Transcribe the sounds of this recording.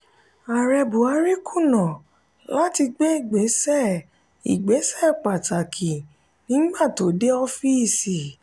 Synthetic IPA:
a˨ɾɛ˧bu˨a˧ɾi˦ku˦˨nɔ̃˨ | la˦ti˧ɡ͡be˦i˦˨ɡ͡be˨˦sɛ˦˨ | ḭ˨ɡ͡be˨˦sɛ˦˨k͡pa˨ta˨kʰi˨ | nĩ˦ɡ͡ba˦˨to˨˦de˦ɔ˧fi˦i˦˨si˨

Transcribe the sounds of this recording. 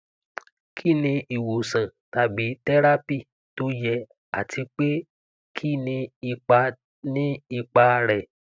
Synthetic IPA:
kʰi˦˨nĩ˧i˨wo˨sã˨ta˧bi˨˦tɛ˦ɾa˦pi˦˨ | to˦jɛ˧ | a̰˨tʰi˧k͡pe˦ | kʰi˦˨nĩ˧i˧k͡pa˧ | nĩ˦i˧k͡pa˧ɾɛ˨

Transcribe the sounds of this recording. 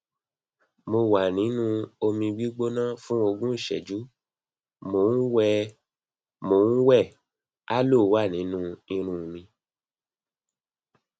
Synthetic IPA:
mo˧wa˨nĩ˨˦nũ˦o˧mĩ˧ɡ͡bi˦ɡ͡bo˦nã˦fũ˦o˧ɡũ˦˨ʃɛ˨d͡ʒu˨˦ | mo˨˦n̩˦wɛ˧ | mo˨˦n̩˦wɛ˦˨ | a˦lo˦˨˦wa˦˨nĩ˨˦nũ˦ĩ˧ɾ̃ũ˧mĩ˧

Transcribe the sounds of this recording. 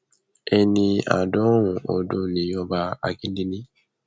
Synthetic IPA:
ɛ˧nĩ˧a̰˨dɔ˦wũ˨o˨do˦nĩ˨˦jɔ˧ba˧a̰˨ɡĩ˦di˦nĩ˦

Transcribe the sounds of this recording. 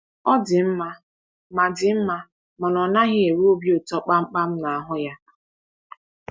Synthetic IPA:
ɔ˦dɪ˨m̩˦ma˦ | ma˨dɪ˨m̩˦ma˦ | mɔ˨nɔ˨na˦ɦɪ˦e˨ɾu˦o˦bji˦o˨tɔ˦k͡pa˦ŋ͡m̩˦k͡pa˦m̩˦na˨a˨ɦʊ˦ja˦

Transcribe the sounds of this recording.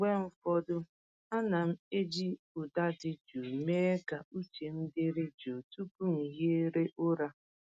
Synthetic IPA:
ɡ͡bʷe˦m̩˦fɔ˦dʊ˦ | a˦na˨m̩˦e˦d͡ʒi˦ | ʊ˨da˦dɪ˦d͡ʒu˨me˦e˦ka˨u˦t͡ʃe˨m̩˦dɪ˦ɾɪ˦d͡ʒo˨tu˦pu˦ŋ̩˨je˦ɾe˦ʔʊ˦ɾa˦

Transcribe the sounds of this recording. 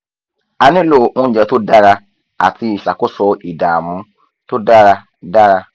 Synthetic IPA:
a˧nĩ˦lo˦˨õ˦n̩˦d͡ʒɛ˧to˦da˦ɾa˧ | a̰˨ti˧˦i˨ʃa˨ko˦sɔ˧i˨da˨mũ˨˧˦ | to˦da˦ɾa˧ | da˦ɾa˧

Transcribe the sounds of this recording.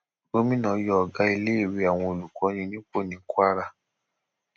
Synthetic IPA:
o˧˦mĩ˦nã˨˧˦jɔ˧˦˧ɡa˧˦i˧le˦˨ɾi˧˦a˨w̃ɔ̃˧o˨lu˨kɔ˨˦j̃ĩ˧nĩ˦k͡po˦˨nĩ˨˦kwa˦ɾa˧

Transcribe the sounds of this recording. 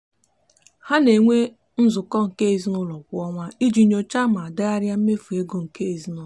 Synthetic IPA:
ha˦ne˨ŋʷe˦ | n̩˦zʊ˨kɔ˦ŋ̩˨ke˦i˨zi˦nʊ˦lɔ˨kʷʊ˦ɔ˦ŋʷa˦i˦d͡ʒi˨ɲo˨t͡ʃa˦ma˨a˨da˦a˦ɾja˦m̩˦me˦fu˨e˦ɡo˦ŋ̩˨ke˦i˨zi˦nʊ˦˨

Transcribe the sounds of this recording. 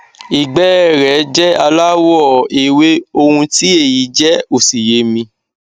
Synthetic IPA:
i˨ɡ͡bɛ˦˨ɾɛ˨˦d͡ʒɛ˦a˧la˦wɔ˦˨e˨we˦o˧hũ˧ti˦e˦˨ji˨˦d͡ʒɛ˦o˨si˨je˨˦mĩ˧

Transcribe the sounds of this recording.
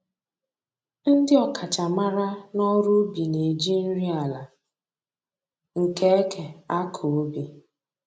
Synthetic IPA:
n̩˦dɪ˦ɔ˦kʰa˨t͡ʃa˨ma˦ɾa˦nɔ˦ɾʊ˦bi˨ne˨d͡ʒi˦n̩˦ɾi˦a˨la˨ | ŋ̩˨ke˦e˦kʰe˨a˦kʰo˨o˦bi˨

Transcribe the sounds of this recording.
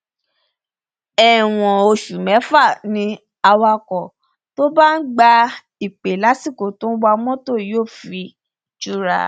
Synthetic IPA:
ɛ˨w̃ɔ̃˨o˧ʃu˨mɛ̃˨˦fa˦˨nĩ˧ | a˧wa˧kɔ˨ | to˦ba˦n̩˦ɡ͡ba˧ | i˨k͡pe˨la˨˦si˦˨ko˨tõ˦ba˧mɔ̃˦to˦˨joː˦˨fi˧ | d͡ʒu˦˧˦ɾa̰˧˨

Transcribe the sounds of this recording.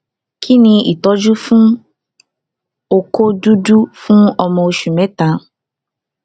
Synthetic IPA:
kʰi˦nĩ˧i˨t̪ɔ˦d͡ʒu˦fũ˦ | o˧ko˦du˦du˦fũ˦ɔ˧mɔ̃˧o˧ʃu˨mɛ̃˨˦t̪ã˧

